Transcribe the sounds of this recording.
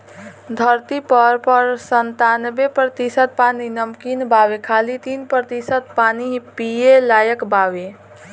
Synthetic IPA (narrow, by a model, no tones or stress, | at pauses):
d̪ʱəɾt̪ipəɾpəɾsənt̪anbepɾət̪isət̪̚paninəmkinbaʋekʰalit̪iːnpɾət̪isət̪̚panipijelaːjəkbaːʋe